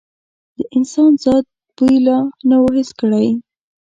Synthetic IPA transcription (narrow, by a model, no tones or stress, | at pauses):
d̪̥əʔɪnsɑnzɑd̪̚ | pujlɑnawoɦɪskəɽaj